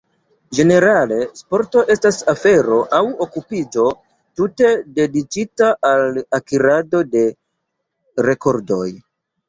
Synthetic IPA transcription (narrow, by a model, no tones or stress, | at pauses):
d͡ʒe̞ne̞ɾale̞spo̞ɾto̞ʔe̞stasafe̞ɾo̞ʔawo̞kupid͡ʒo̞ | tute̞de̞dit͡ʃitaʔalakiɾado̞de̞ | ɾe̞ko̞ɾdo̞̰j